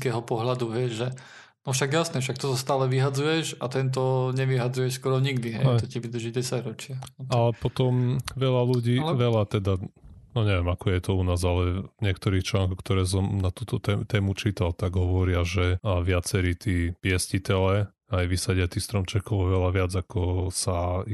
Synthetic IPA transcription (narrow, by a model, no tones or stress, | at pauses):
kɛːɦɔpɔɦlad̪uʋɪɛʒʒɛ | nɔfʃaɡjasnɛfʃ̬ak̚t̪ɔt̪ɔst̪aːlɛʋiɦad͡zujɛʃat̪ɛnt̪̬ɔɲɛʋiɦad͡zujɛʃskɔɾɔɲiɡd̪iɦɛ̰j̪ɔciʋid̪ɾ̩ʒiɟɛsaɟɾɔt͡ʃɪaalɛpɔt̪ɔmʋɛʎaluɟiːʋɛʎat̪ɛd̪anɔɲɛʋɛmakɔjɛt̪ɔunaːzalɛvɲɪɛk̚t̪ɔɾiːxt͡ʃlaŋkɔxkt̪ɔɾɛːs̬ɔmnat̪uːt̪ɔt̪ɛt̪ɛːmut͡ʃiːt̪alt̪aɡɦɔʋɔɾɪaʒɛʋɪat͡sɛɾiːt̪iːpɪɛscit̪ɛlɛ | ajʋisaɟɪat̪iːxst̪ɾɔmt͡ʃɛkɔʊɔʋɛlaʋɪad͡zakɔsa